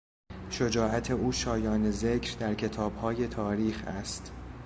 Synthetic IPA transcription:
ʃod͡ʒɒːʔæt̪ʰe̞uːʃɒːjɒːne̞ze̞cʰɾd̪æɾcʰe̞t̪ʰɒːbhɒːje̞t̪ʰɒːɾiːxæ̰st̪

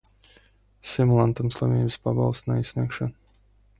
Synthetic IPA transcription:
simulˠant̪amslˠavʲiːbspaba̰lˠst̪naisʲnʲikʃan

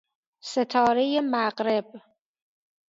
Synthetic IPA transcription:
set̪ʰɒːɾejemæɢɾe̞b̚

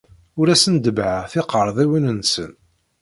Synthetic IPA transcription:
ʊɾæsənd̪əbʕaθɪqəɾˤðˤiwinənsən

